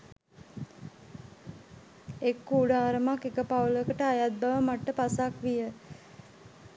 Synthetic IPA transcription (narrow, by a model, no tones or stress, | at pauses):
ekːuɖaːɾəmakːekəpawləkəʈəajat̪̚baʋəmaʈːəpasakʋijə